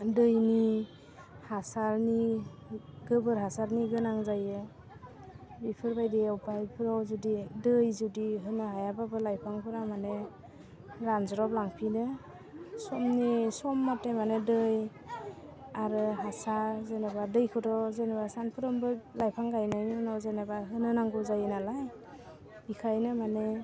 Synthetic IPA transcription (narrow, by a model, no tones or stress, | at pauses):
dɯjni | hasaɾni | ɡɯbɯɾɦasaɾniɡɯnaŋzajɯ | bipʰɯɾbajdiawpajpʰɯɾɔwzudidɯjzudiɦɯnɯɦajababɯlajpʰaŋpʰɯɾamane | ɾanzɔɾɔp̚laŋpʰinɯ | sɔmnisɔmːatemanedɯj | aɾɯɦasazenabadɯjkʰɯtɔzenabasanpʰɯɾɔmbɯlajpʰaŋɡajnajnunɔwzenabaɦɯnɯnaŋɡɔzajɯnalaj | bikʰajnɯmane